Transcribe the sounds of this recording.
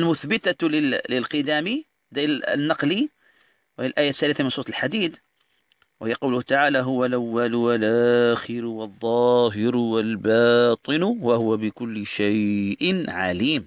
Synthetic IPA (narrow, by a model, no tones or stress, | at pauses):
ʔlmʊθbɪt̪alɪlɪlqɨd̪aːmi | d̪a̰nːɑqli | whijalʔaːjaθːaːlːθamɪnsˤuːt̪lħad̪iːd̪ | whɪjːaqɑwlʊht̪aʕaːlaɦʊwalʔawːalʊwalʔaaxɪɾʊwɑðˤːɑːɦɪɾʊwalbɑːt̪ˤɨnʊwahʊwabɪkʊlːɪʃajʔnʕa̰liːm